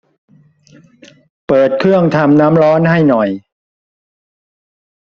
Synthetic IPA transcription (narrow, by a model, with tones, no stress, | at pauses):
pɤː˨˩t̪̚kʰɾɯ˥˩əŋt̪ʰa˧mnaː˦˥mɾɔː˦˥nha˥˩jnɔ˨˩j